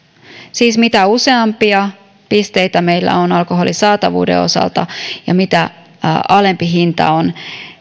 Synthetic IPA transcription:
siːsmit̪æuseɑmpiɑ | pist̪eit̪æmeilːæ̰onɑlkoɦolisɑːt̪ɑʋṵːdḛo̞̰sɑ̰lt̪ɑjɑ̰mit̪æ̰ | ɑlempiɦint̪ɑ̰on

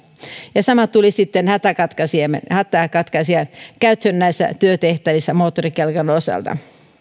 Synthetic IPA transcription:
jɑsɑmɑt̪ulisit̪ːenhæt̪ækɑt̪kɑsiemḛhæt̪ːˑækɑt̪kɑsiɑnkæyt̪hønːæisːæ̰t̪yøt̪eht̪æʋisːæmoːt̪ːorikelkɑnosɑ̰lt̪ɑ̰

